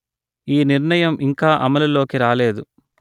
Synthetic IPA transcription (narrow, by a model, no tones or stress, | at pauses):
iːniɾɳɐjɐmʔiŋkaːʔɐmɐlulo̞ːkiɾaːle̞ːd̪u